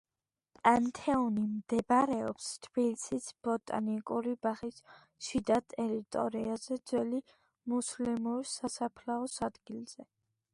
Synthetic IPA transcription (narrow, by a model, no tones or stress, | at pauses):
pʼant̪ʰɛunimd̪̥ɛbaɾɛɔpst̪ʰb̥ilisisb̥ɔt̪ʼa̰nikʼuɾibaχis | ʃid̪at̪ʼɛɾit̪ʼɔ̰ɾiazɛd̪z̥wɛli | muslimuɾsasapʰlaɔsad̪ɡilz̥ɛ